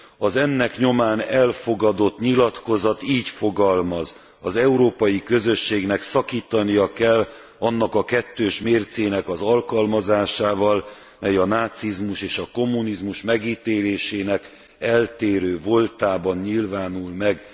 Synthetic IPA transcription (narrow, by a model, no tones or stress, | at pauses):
ɒzɛnːɛkɲo̞maːnɛlfo̞ɡɒd̪o̞t̪ɲilɒt̪ko̞zɒt̪iːcfo̞ɡɒlmɒz | ɒzɛuɾoːpɒjikø̞zø̞ʃːeːɡnɛksɒkiːt̪ɒnijɒkɛlː | ɒnːɒkɒkɛt̪ːøːʃmeːrt̪seːnɛkɒzɒlkɒlmɒzaːʃaːvɒl | mɛjɒnaːt̪sizmuʃeːʃɒko̞mːunizmuʃmɛɡiːt̪eːleːʃeːnɛk | ɛlt̪eːɾøːvo̞lt̪aːbɒnɲilvaːnulmɛɡ